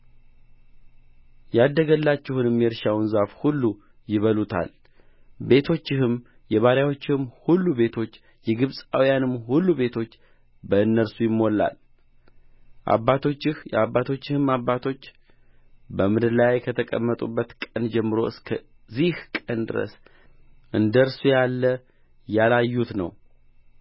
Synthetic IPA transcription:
jad̪ːəɡəlːat͡ʃːɛhunɨmjɛɾʃawnzafhulːu | jɪβəlut̪ʰa̰l | be̞t̪ʰo̞t͡ʃːɪhɨm | jɛβaɾjawo̞t͡ʃːɪhɨmhulːube̞t̪ʰo̞t͡ʃː | jɛɡɨβsʼawijanɨmːhulːube̞t̪ʰo̞t͡ʃː | bəɨnːəɾsujɪmːo̞lːa̰l | ʔa̰bːat̪ʰo̞t͡ʃːɪhjɛabːat̪ʰo̞t͡ʃːɪhɨmabːat̪ʰo̞t͡ʃː | bəmɨd̪ɨlajkʰət̪ʰəkʼə̰mːət̪ʼubːət̪kʼənd͡ʒɛmːɨɾo̞ɨskʰə | zihkʼənd̪ɨ̰ɾə̰s | ʔɨnd̪əɾsujalːə | jalajːut̪nə̰w

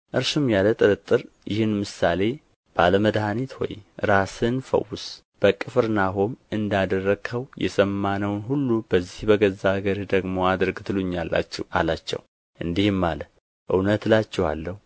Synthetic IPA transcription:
ʔɨɾʃɨmjalət̪ʼɨɾɨt̪ʼːɨɾ | jɪhɨnmɨsale̞ | b̥aləməd̪hanit̪wo̰jɾasɨnfə̰wʊs | b̥əkʼːɨfɨɾnaɦomɨnd̪ad̪ərːəɡʰəwjɛ̰səmːanəwnɦulːub̥əzːihbəɡəzːaɡəɾid̪əɡmo̞ad̪ɾɨɡt̪ʰɨluɲːalːa̰t͡ʃːɛwʔa̰lat͡ʃːɛ̰w | ʔɨnd̪ihmːa̰lə | ʔɨwnət̪lat͡ʃːɛwa̰lːəhu

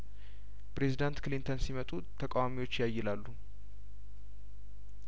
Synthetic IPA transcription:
pɾe̞zid̪ant̪klint̪ʰənsimət̪ʼut̪ʰəkʼawamiwo̞t͡ʃːɪjajːɪlalːu

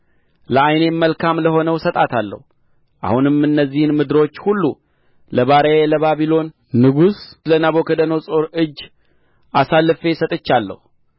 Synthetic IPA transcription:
ləajne̞məlkʰamləho̞nəwsət̪ʼat̪ʰalːə̰hu | ʔa̰hunɨmɨnːəzːihɨnmɨd̪ɨɾo̞t͡ʃːhulːu | ləβaɾəjləβaβilo̞n | nɨɡuslənaβo̞kʰəd̪ənəwsʼoɾɨd͡ʒː | ʔasalːfe̞sət̪ʼɨt͡ʃːalːə̰hu

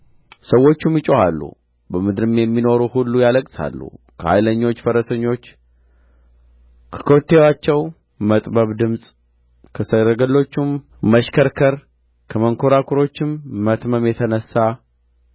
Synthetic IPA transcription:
səwːo̞t͡ʃːumjɪt͡ʃʼohalːṵ | bəmɨd̪ɨɾɨmjɛmːino̞ɾuhulːujaləkʼsa̰lːṵ | kʰəha̰jləɲːo̞t͡ʃːfəɾəsəɲːo̞t͡ʃː | kʰə̥kʰo̞t̪ʰːewat͡ʃːɛw | mət̪ʼbəβd̪ɨmsʼ | kʰəsəɾəɡəlːo̞t͡ʃːum | məʃkʰəɾkʰəɾ | kʰəməŋkʰo̞ɾakʰuɾo̞t͡ʃːɪmːət̪məmjɛt̪ʰənəsːa

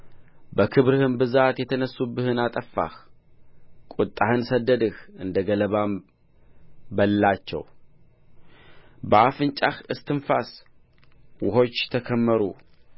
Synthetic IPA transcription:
bəkʰɨβɾɨhɨnbɨzat̪jɛt̪ʰənəsːubːɨhɨnat̪ʼəfːa̰h | kʼut̪ʼːahɨnsəd̪ːəd̪ɨhʔɨnd̪əɡələβam | bəlːat͡ʃːɛ̰w | bəafɨnt͡ʃʼahɨst̪ʰɨnfas | wʊho̞t͡ʃːt̪ʰəkʰəmːəɾṵ

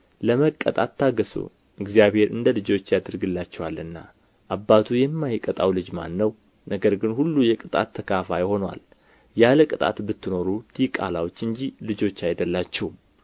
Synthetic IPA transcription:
ləməkʼːə̰t̪ʼat̪ʰːaɡəsṵ | ɨɡzijaβhe̞ɾɨ̰nd̪əlɨd͡ʒo̞t͡ʃːjad̪ɨɾɡɨlːat͡ʃːɛwalɨnːa | ʔabːat̪ʰujɛmːajkʼət̪ʼawlɨd͡ʒma̰nːəw | nəɡəɾɡɨnhulːujɛkʼɨt̪ʼa̰t̪ʰːəkʰafajho̞nwa̰l | jaləkʼɨt̪ʼa̰t̪bɨt̪ːɨno̞ɾut̪ʰikʼa̰lawo̞t͡ʃːɨɲd͡ʒilɨd͡ʒo̞t͡ʃːajd̪əlːat͡ʃːɛw

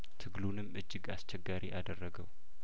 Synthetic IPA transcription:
t̪ʰɨɡlunɨmːɨd͡ʒːɨɡast͡ʃʰɛɡːaɾiʔad̪ərːəɡəw

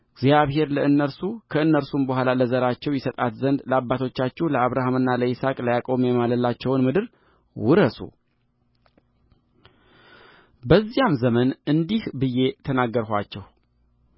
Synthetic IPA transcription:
ɨɡzjaβɦe̞ɾləɨnːəɾsukʰəɨnːəɾsumbəhʷalaləzəɾat͡ʃːɛwjɛsət̪ʼat̪zənd̪ləabːat̪ʰo̞t͡ʃːat͡ʃːɛhləaβɾahamɨnːaləisakʼlajakʼo̞memaləlːat͡ʃːɛwnmɨd̪ɨɾ | wʊɾəsṵ | bəzːijamzəmənɨnd̪ihbɨjːe̞t̪ʰənaɡːəɾɦat͡ʃːɛw

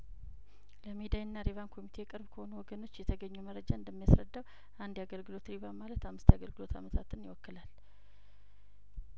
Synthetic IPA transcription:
ləmed̪ajɨnːaɾeβankʰo̞mit̪ʰe̞jɛkʼɨɾbkʰəho̞nuwɔɡəno̞t͡ʃːjɛt̪ʰəɡəɲːuməɾəd͡ʒaɨnd̪əmːijasɾəd̪ːaw | and̪jaɡəlɡɨlo̞t̪ɾiβamalət̪amːɨst̪jaɡəlɡɨlo̞t̪ʰa̰mət̪ʰat̪ɨnɪwɔkːɨlal

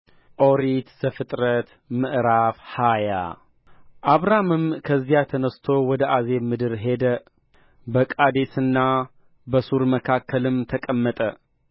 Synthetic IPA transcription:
ʔoɾit̪z̥əfɨt̪ʼɾət̪ | mɨʔɾafhaja̰ | ʔaβɾamɨmkʰəzːijat̪ʰənəst̪ʰo̞wɔd̪əʔaze̞mɨd̪ɨɾɦe̞d̪ə | bəkʼad̪esɨnːa | bəsuɾməkʰakʰːəlɨmt̪ʰəkʼəmːət̪ʼə

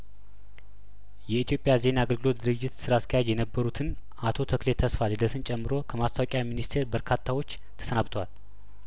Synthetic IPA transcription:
jɛit̪ijo̞pʼjaze̞naːɡəlɡɨlot̪̚d̪ɨɾɨd͡ʒːɪt̪sɨɾaskʰəjad͡ʒjɛnəbːəɾut̪ʰɨn | ʔat̪ʰo̞t̪ʰəklet̪ʰːəsfalɨd̪ət̪ʰɨnt͡ʃʼɛmːɨɾo̞kʰəmast̪ʰawokʼjaminist̪ʰe̞ɾbəɾkʰat̪ʰːawo̞t͡ʃː | t̪ʰə̥sənaβt̪ʰəwal

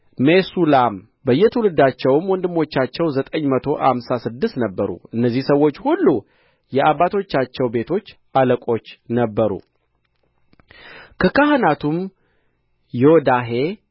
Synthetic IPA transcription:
mesulam | bəjːɛt̪ʰəwulɨd̪at͡ʃːɛwɨmwɔnd̪ɨmːo̞t͡ʃːat͡ʃːɛwzət̪ʼəɲːmət̪ʰo̞ʔa̰msasɨd̪ːɨst̪nəbːəɾṵɨnːəzːihsəwːo̞t͡ʃːhulːu | jɛʔabːat̪ʰo̞t͡ʃːat͡ʃːɛwbe̞t̪ʰo̞t͡ʃː | aləkʼo̞t͡ʃːnəbːəɾṵ | kʰəkʰahɨnat̪ʰum | jod̪aɦe̞

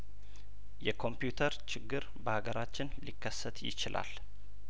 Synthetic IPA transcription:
jɛkʰo̞mpjut̪ʰəɾt͡ʃɪɡːɨɾ | bəhaɡəɾat͡ʃːɪnlikːəsːət̪jɪ̰t͡ʃɪlʔa̰l

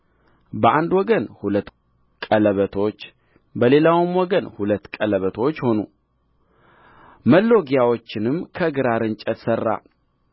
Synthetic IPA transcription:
bəʔand̪wɔɡənhulət̪ː | kʼələβət̪ʰo̞t͡ʃː | bəle̞lawɨmwɔɡənhulət̪ːkʼələβət̪ʰo̞t͡ʃːho̞nṵ | məlːo̞ɡijawo̞t͡ʃːɪnɨmkʰəɡɨɾaɾɨnt͡ʃʼət̪sərːa̰

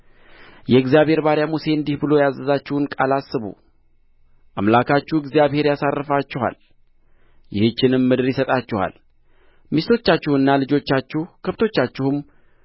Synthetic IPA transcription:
jɛɨɡzijaβhe̞ɾbaɾjamuse̞ɨnd̪ihbɨlo̞jazəzat͡ʃːɪhnkʼalasːɨβṵ | ʔamlakʰat͡ʃːuɪɡzijaβhe̞ɾjasarːɨfat͡ʃːɛha̰l | jɪhɨt͡ʃːɪnɨmːɨd̪ɨɾjɪsət̪ʼat͡ʃːɛha̰l | mist̪ʰo̞t͡ʃːat͡ʃːɪhɨnːalɨd͡ʒo̞t͡ʃːat͡ʃːuhkʰəft̪ʰo̞t͡ʃːat͡ʃːɪhɨm

